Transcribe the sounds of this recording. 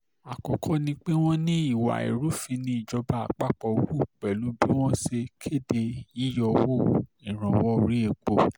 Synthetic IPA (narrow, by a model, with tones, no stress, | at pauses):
a˨kɔ˨kʰɔ˧˦nĩ˧k͡pe˦w̃ɔ̃˦nĩ˦i˦˨wa̰˨ḛ˨ɾu˨˦fĩ˧nĩ˧˦i˦˨d͡ʒɔ˧ba˨a̰˨k͡pa˦k͡pɔ˧wu˦˨k͡pɛ˨lu˨˦bi˦w̃ɔ̃˦se˧kʰe˦˨de˧i˦jɔ˧wo˦˨ĩ˨ɾ̃ã˨wɔ˦˧ɾi˦e˧˨k͡po˨